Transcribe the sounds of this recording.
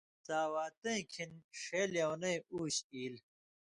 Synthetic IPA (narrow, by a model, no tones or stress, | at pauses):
t͡saːwaːt̪ẽkʰinʂeːljɐwnɐ̃juːɕiːl